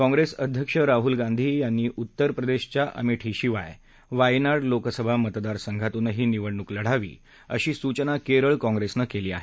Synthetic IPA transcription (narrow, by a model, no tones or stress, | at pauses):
kɔ̃ŋɡɾesəd̪ʱjəkʂəɾaɦulɡãnd̪ʱiːjanːiːʔut̪ːəɾpɾəd̪eɕt͡ɕjaʔə̰miʈʰiɕiʋa̰j | ʋajnaɽloksəbʱamət̪d̪aɾsəŋɡʱat̪unəɦiːniʋəɽɳukləɽ̤aʋḭː | ə̰ɕiːsut͡ɕənakeɾəɭkɔ̃ŋɡɾesnəkeliːa̰ɦe